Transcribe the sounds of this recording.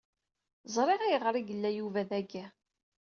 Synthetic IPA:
zˤɾˤeʁæjəʁɾˤiɡəlːæjuvæðæɡæ

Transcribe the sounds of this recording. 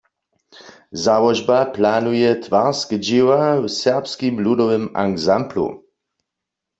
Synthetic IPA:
zawɔʒbaplanujɛt̪ʋaʁskd͡ʒiwawsɛʁpskimludɔʋɛma̰ɡzamplṵ

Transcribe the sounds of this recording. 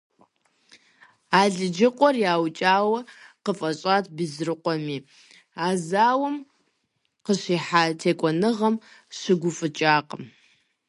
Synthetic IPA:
aːɮɨd͡ʒɪqʷʼɔrjaːwt͡ʃʼaːwɐqəfʼɐɕʼaːtʰbɨzrɨqʷʼɔmiː | aːzaːwɐm | qəɕiːħaːtʰeːkʷʼɔnɨʁɐm | ɕɨɡʷʊfʼɨt͡ʃʼaːqʼəm

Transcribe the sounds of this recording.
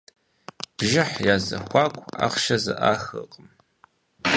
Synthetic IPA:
b̥ʒɪħjaːzɐ̰xʷɑːkʷʰʼa̰qʃɐzɨʔaːxə̰qʼəm

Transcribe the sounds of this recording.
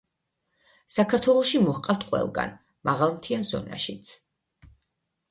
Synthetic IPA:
sakʰaɾt̪ʰwɛlˠɔʃimɔhqʼaft̪ʰqʼwɛ̰lˠɡa̰n | maʁalˠmt̪ʰianz̥ɔ̰na̰ʃit̪sʰ

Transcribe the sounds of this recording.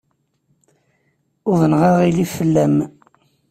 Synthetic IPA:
ʊðənʁɑʁilifəlːæm

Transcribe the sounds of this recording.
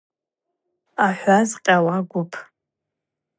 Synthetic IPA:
aħʷazqʲʼawaɡʷʊpʰ

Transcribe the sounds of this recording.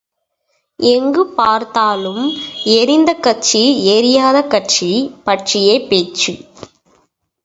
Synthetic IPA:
ʔɛŋɡɯpaːɾt̪aːlɯmɛɾɪnd̪ɐkːɐʈt͡ʃieːɾɪjaːðɐkːɐʈt͡ʃipɐʈʂɪjeːpːeːt͡ʃɯ

